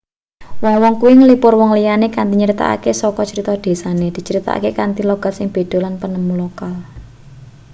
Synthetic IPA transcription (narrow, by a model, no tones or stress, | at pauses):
wɔŋwɔŋkuiŋəlipʊrwɔŋlijanekant̪iɲəɾit̪a̰ʔa̰kesɔkɔt͡ʃəɾit̪ɔd̪̥e̤saned̪̥i̤t͡ʃəɾit̪a̰ʔa̰kekant̪ilɔɡ̥at̪sɪŋb̥e̤d̪̥o̤lanpənəmulokal